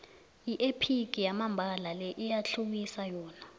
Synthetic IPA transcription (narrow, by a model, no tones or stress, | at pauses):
iʔepʰik̬ijamambʱalalɛʔijaɬʰuɓisajɔːna